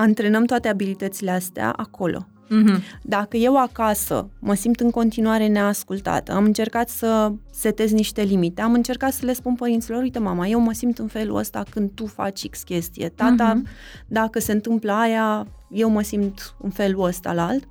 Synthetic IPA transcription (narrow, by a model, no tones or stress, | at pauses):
ɨnt̪ɾe̞nəmt̪oat̪e̞abilit̪ət̪sileast̪ea̰ʔakʰo̞lʔo̞̰ | d̪akəje̞wakasə̰məsimt̪ɨŋko̞nt̪inuaɾe̞neaskult̪a̰t̪əamɨnt͡ʃe̞rkat̪sə | se̞t̪e̞zniʃt̪e̞limit̪e̞amɨnt͡ʃe̞rkat̪səle̞spunpəɾint̪silo̞ɾuijt̪emamaje̞wməsimt̪ɨnfe̞lṵə̰st̪a̰kɨnd̪̚t̪ufa̰t͡ʃʲikskʲe̞st̪ije̞̰t̪at̪a | d̪akəse̞ɨnt̪ɨmpləaja | je̞wməsimt̪ɨnfe̞luəst̪a̰lalt̪